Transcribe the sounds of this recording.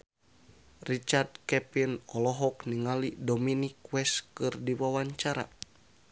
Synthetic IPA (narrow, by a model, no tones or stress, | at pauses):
rit͡ʃard̚kɛpinɔlɔɦɔkniŋalidominikwɛskɨrdiwawaɲt͡ʃaɾa̰